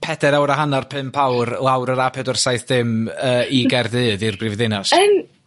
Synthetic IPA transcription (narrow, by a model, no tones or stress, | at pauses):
pʰɛd̥ɛɾawɾaɦanarpʰɨmpʰawrlˠawɾəɾapʰɛdɔrsajθðɪməːiɡɛrdɨːðirbrɪvðɪnɔsən